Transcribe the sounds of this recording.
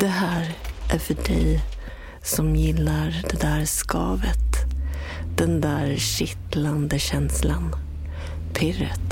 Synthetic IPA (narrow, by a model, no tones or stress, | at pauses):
d̪̥ɛhæːɾʔæɾfœɖɛj | sɔmjɪlːaɾɖ̪ɛd̪æːɾskɑːvət̪ | d̪̥ɛnd̪æːɾɕɪt̪land̪əɕɛnslan | pʰɪrə̰t̪